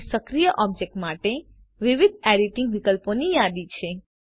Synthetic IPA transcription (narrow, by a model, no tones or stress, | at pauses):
səkɾijəʔɔb̚d͡ʒek̚ʈmaʈe | ʋiʋid̪̚ʱɛɖiʈɪ̃ŋɡʋikəlponijad̪it͡ʃʰe